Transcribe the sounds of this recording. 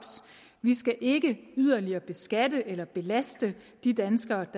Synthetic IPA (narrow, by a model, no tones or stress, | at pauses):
b̥s | ʋisɡ̥æʔe̝ɡ̥əyð̰ˠɐliɐːb̥e̝sɡ̥ædəʔelɐb̥e̝læsd̥ə | d̥id̥ænsɡ̥ɐːd̥